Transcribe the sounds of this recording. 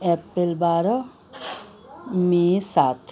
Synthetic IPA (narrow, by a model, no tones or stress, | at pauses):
ɛpɾelbaɾɔ | misat̪ʰ